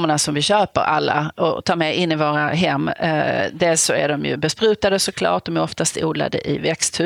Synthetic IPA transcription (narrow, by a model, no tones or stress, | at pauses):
mːəɳasɔmvɪɕøːpə̰ɾʔa̰lːa̰ɔ̰t̪ʰɑːɾmɛʔɪnːɪvoːɾaɦɛmːd̪eːlsɔæɖɔmjɵ̰bɛspɾʉ̟ːt̪ad̪əsɔkʰlɑ̰ːʈ̚d̪ɔmæɾɔft̪ast̪uːd̪la̰d̪ə̰ʔɪvɛkst̪hʉ